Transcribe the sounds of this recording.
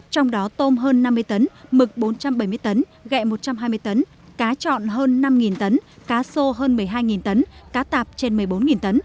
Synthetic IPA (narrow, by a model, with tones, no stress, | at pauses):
t͡ɕɔ˧wŋ͡mɗɔ˨˦t̪o˧mɦəː˧nːa˧mːɨ˧əjt̪ə˨˦nmɨ˨˩k̚ɓo˨˦nt͡ɕa˧mɓə˧˩jmɨ˧əjt̪ə˨˦n | ɣɛ̰˧˨mo˨˩t̚t͡ɕa˧mɦaː˧jmɨ˧əjt̪ə˨˦n | kaː˨˦t͡ɕɔ̰˧˨nɦəː˧nːa˧mŋi˨˩nt̪ə˨˦nkaː˨˦so˧ɦəː˧nmɨ˨˩əjɦaː˧jŋi˨˩nt̪ə˨˦nkaː˨˦t̪aː˨˩p̚t͡ɕe˧nmɨ˨˩əjɓo˨˦nŋi˨˩nt̪ə˨˦n